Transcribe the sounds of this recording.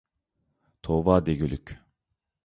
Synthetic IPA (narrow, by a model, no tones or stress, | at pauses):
t̪ʰovaːd̪eɟylʲycʲ